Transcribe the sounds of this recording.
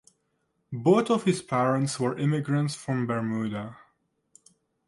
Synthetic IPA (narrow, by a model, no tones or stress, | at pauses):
boʊθɔv̥hɪz̥pʰɛɹə̃ntswə˞ʔɪmɪɡɹə̃ntsfɹɔ̃mbɛɹmuda